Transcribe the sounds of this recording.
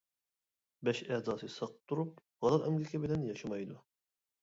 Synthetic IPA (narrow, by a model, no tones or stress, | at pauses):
bɛʃɛhzɑːsɨsɑq̚t̪ʰːuɾup̚ | ʁɑlˠɑɾʔɛmlikʲʰɛbilɛnjɑʃɑmɑjd̪u